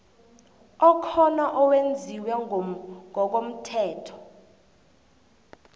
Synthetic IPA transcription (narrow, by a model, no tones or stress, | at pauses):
ɔkʰɔnaʔɔwend͡zʱiwɛ | ŋʱɔk̬om̩tʰɛːtʰɔ̥